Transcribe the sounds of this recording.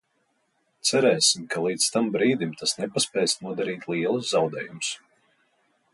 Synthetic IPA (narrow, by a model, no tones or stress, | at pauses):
t̪sæɾɛːsimkʰalˠiːdt̪st̪ambɾiːd̪imt̪ʰasnɛpaspʲɛjsnuɔd̪aɾiːt̪ʲlˠiɛlˠuszawd̪ɛːjums